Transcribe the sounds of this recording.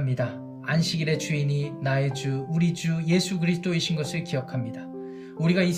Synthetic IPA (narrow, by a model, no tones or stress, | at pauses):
mɲida | anɕʰiɡiɾe̞t͡ɕuininae̞d͡ʑuuɾid͡ʑuje̞sʰuɡɯɾisʰɯ̥t͈ʰoiɕʰinɡʌsʰɯɭkijʌkʰamɲida | uɾiɡai